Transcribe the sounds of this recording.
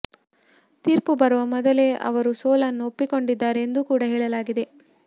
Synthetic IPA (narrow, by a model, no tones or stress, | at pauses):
t̪iːɾpubɐɾuʋɐmɔd̪ɐle̞ʔɐ̰ʋɐɾusoːlɐnːuopːiko̞ɳɖid̪ːaːɾeːnd̪ukuːɽɐɦɛːɭɐlaːɡid̪e̞